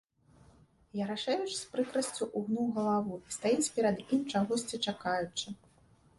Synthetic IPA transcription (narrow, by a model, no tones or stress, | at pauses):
jɐɾaʂɛjut͡ʂspɾɨkɾɐsʲt͡sʲuʔuɣnuɣɐlˠavuist̪ajit͡sʲpʲɛɾɐd̪imt͡ʂaɣɔsʲt͡sʲit͡ʂakajut͡ʂɨ